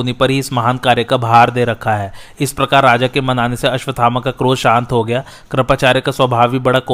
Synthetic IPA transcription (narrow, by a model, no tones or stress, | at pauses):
onipɐɾɦiɪsmɐɦaːnkaːɾjəkabʱɦaːɾd̪eːɾɐkʰːaɦɛːɪspɾɐkaːɾːaːd͡ʒakemɐnaːneseɐʃʋət̪aːmakakɾoːzʃãːnt̪ɦoɡɐjaː | kɾɐpaːt͡ʃaːɾjəkaswɐbʱaːʋibɐɽako